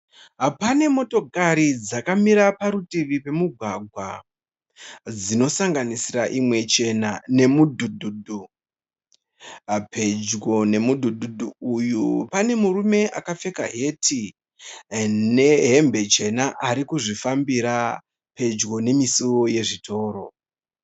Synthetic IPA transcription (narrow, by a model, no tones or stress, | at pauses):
apane̞mo̞to̞kaɾid͡zakamiɾapaɾutiʋipe̞muɡʱwaɡʱwa | d͡zino̞saŋɡanisiraʔimwe̞t͡ʃe̞nane̞mudʱudʱudʱu | pe̞d͡ʒɡo̞ne̞mudʱudʱudʱuːjupane̞murume̞ʔakafe̞ka̰ɦe̞tʰi | ne̞ɦe̞mbe̞t͡ʃe̞naʔaɾikuʐifambiɾa | pe̞d͡ʒɡo̞ne̞misioje̞ʐitʰo̞ːɾo̞